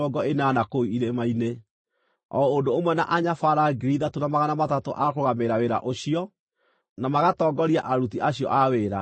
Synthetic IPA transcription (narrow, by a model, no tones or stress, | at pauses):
ɔɡɔeneanakoiiɾemaine | ɔ̰ondoːmwɛnaʔaɲafaɾaɡiɾiðatonamaɣanamatato̰ʔakoɣameɾaweɾa̰ʔoɕiɔ | namaɣatɔːɡɔɾia̰ʔaɾutiʔaɕijɔ̰ʔaweːɾa̰